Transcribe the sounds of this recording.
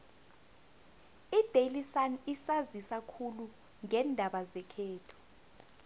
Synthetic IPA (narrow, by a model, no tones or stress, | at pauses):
id̥ʱelisanisazisakʰulu | ŋɛndʱaɓazɛkʰɛːtʰɔ̥